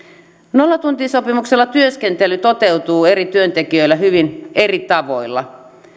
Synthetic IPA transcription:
nolːɑt̪unt̪iːsopimukselːɑt̪yøskent̪elyt̪ot̪ewt̪uːe̞rit̪yønt̪ekiøilːæɦyʋinerit̪ɑʋo̞ilːɑ̰

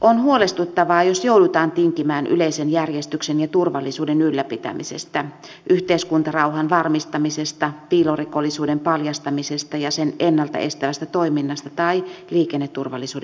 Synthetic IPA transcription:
ʔonhuolest̪ut̪ːɑʋɑːjosjowdut̪ɑːnt̪iŋkimæːnʔy̰leisenjærjest̪yksenjɑt̪urʋɑlːisuːdenylːæpit̪æ̰mḭsḛst̪æ | ʔyht̪eiskunt̪ɑrɑuɦɑnʋɑrmist̪ɑmisest̪ɑpiːlorikolːisuːdempɑljɑst̪ɑmisest̪ɑjɑsenenːɑlt̪ɑ̰ʔest̪æʋæst̪æt̪oiminːɑst̪ɑt̪ɑiliːkenːet̪ːurʋɑlːisuːd

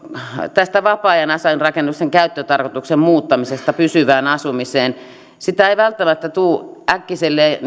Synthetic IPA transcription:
t̪æst̪æʋɑpɑːjɑnɑsɑinrɑkenːukseŋkæyt̪ːøt̪ɑrkot̪uksemmuːt̪ːɑmisest̪ɑpysyʋæːnɑsumiseːn | sit̪æeiʋælt̪ːæmæt̪ːæt̪uːʔækːiselːe

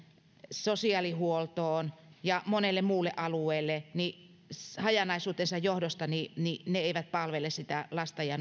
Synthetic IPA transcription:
sosiɑlihuolt̪oːnjɑmonelːemmuːlːeʔɑlueːlːeni | hɑjɑnɑisuːt̪ensɑjjohdost̪ɑninineeiʋæt̪̚pɑlʋelessit̪ælɑst̪ɑjɑ

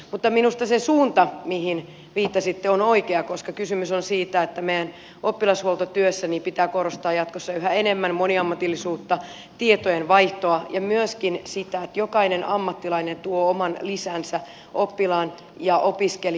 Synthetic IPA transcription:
mut̪ːɑminust̪ɑsesuːnt̪ɑmihin | ʋiːt̪ːɑsit̪ːeonoikeɑkoskɑkysymysonsiːt̪æet̪ːæmejæn | opːilɑshuolt̪ot̪yøsːænipit̪æːkorost̪ɑːjɑt̪kosːɑyhæenemːænmoniɑmːɑt̪ilːisuːt̪ːɑ | t̪iet̪ojenʋɑiht̪oɑjɑmyøskinsit̪æet̪jokɑinenʔɑmːɑt̪ːilɑinent̪uoːomɑnlisæːnsæ | ʔopːilɑːn | jɑʔopiskel

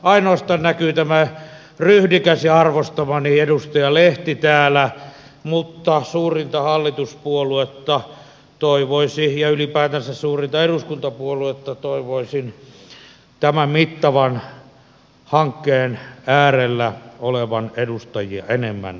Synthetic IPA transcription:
ɑinoɑst̪ɑːnnækyːt̪æmæ | ryhdikæsiɑrʋost̪ɑmɑniedust̪ɑjɑleht̪it̪æːlæ | mut̪ːɑsuːrint̪ɑhɑlːit̪uspuoluet̪ːɑ | t̪oiʋoisijɑylipæːt̪ænsæssuːrint̪ɑeɾuskunt̪ɑpuoluet̪ːɑt̪oiʋoisin | t̪æmæmmit̪ːɑʋɑn | hɑŋkːeːnæːrelːæoleʋɑnedust̪ɑjiɑ̰enemːæ̰n

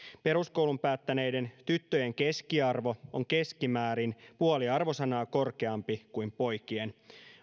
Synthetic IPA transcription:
pe̞ɾuskowlumpæːt̪ːæne̞jde̞nt̪yt̪ːøjeŋkeskiɑrʋo̞oŋke̞skimæːɾinpuoliɑrʋosɑnɑːko̞rke̞ɑmpikuimpo̞jkien

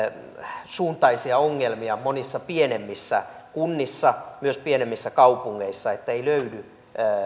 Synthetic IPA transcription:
suːnt̪ɑisiɑoŋːelmiɑmonisːɑpienemːisːæ | kunːisːɑmyøspienemːisːækɑupuŋːeisːɑet̪ːæeiløydy

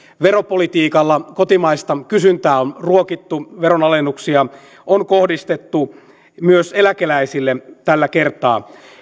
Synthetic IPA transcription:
ʋeɾopolit̪iːkɑlːɑkot̪imɑist̪ɑkysynt̪æːonruokit̪ːuʋeronɑlenːuksiɑ | onkohdist̪et̪ːu | myøselækelæisilːet̪ælːækert̪ɑː

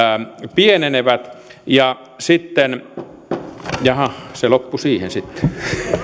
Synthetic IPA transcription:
pieneneʋæt̪jɑ | sit̪ːen | jɑhɑselopːusiːhensit̪ːe̥

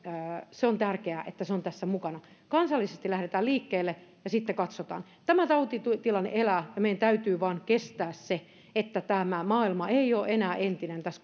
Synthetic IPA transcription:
seont̪ærkeæˑʔet̪ːæseont̪æsːæmukɑnɑkɑnsɑlːisest̪ilæhɾet̪æːliːkːeːlːejɑsit̪ːekɑt̪sot̪ɑ̰ːnt̪æmæt̪ɑut̪it̪ut̪ilɑnːḛʔelæːjɑmeijænt̪æyt̪yːʋɑːnkest̪æːsse | et̪ːæt̪æmæmɑːilmɑeioːʔenæːʔent̪inent̪æs

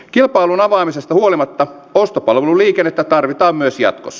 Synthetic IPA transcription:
kilpɑilunɑʋɑːmisest̪ɑhuolimɑt̪ːɑ | ost̪opɑlʋeluliːkenːet̪ːæt̪ɑrʋit̪ɑːmmyøsjɑ̰t̪kosːɑ

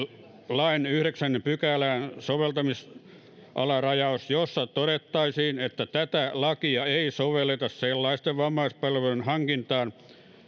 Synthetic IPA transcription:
lɑinyhɾeksænːempykælæːnsoʋelt̪ɑmis | ʔɑ̰lɑrɑjɑosjosːɑt̪oɾet̪ːɑisiːnet̪ːæt̪æt̪ælɑkiɑeisoʋelːˑet̪ɑsselːɑist̪eʋʋɑmːɑispɑlʋelunhɑŋkint̪ɑːn

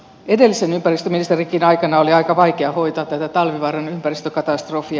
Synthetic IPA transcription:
ede̞lːisenympærist̪øminist̪erikinɑjkɑnɑoliɑikɑʋɑjkeɑho̞it̪ɑːt̪t̪ːæt̪æt̪ɑlʋiʋɑːrɑnympærist̪økɑt̪ɑst̪rofi

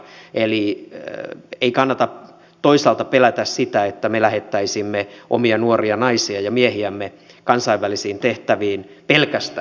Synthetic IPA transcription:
eli | eikɑnːɑt̪ɑ | t̪oisɑlt̪ɑpelæt̪æssit̪æet̪ːæmelæhet̪ːæisimːeʔo̰miɑnuoriɑnɑisiɑjɑmiehiæmːe | kɑnsɑiʋːælisiːnt̪eht̪æʋiːnpelkæst̪

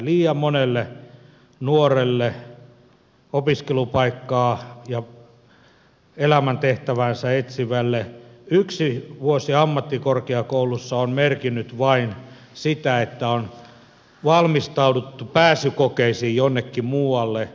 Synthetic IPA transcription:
liːjɑmmonelːe | nuorelːe | opiskelupɑikːɑːjɑ | elæmænt̪eht̪æʋænsæet̪siʋælːeyksiʋuosiɑmːɑt̪ːikorkeɑkoulusːɑonmerkinːyt̪ʋɑin | sit̪æet̪ːæon | ʋɑlmist̪ɑudut̪ːupæːsykokeisiːjonːekːimuːɑlːe

